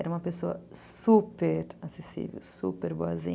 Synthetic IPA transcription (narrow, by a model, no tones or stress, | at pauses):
ɛɾɐũmɐpesoɐ̰supeɾasesḭvḛwsṵpeɾboazḭ̃